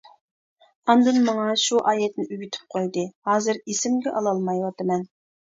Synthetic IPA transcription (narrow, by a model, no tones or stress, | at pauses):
ɑnd̪ɨnmɑŋɑʃuʔɑːjɛt̪nɪʔyɡʲyt̪ʰɪ̥p̚qʰojd̪ɨhɑːzɨɾesɪmɡʲɛʔɑlˠɑlˠmɑjwɑt̪ɨmɛn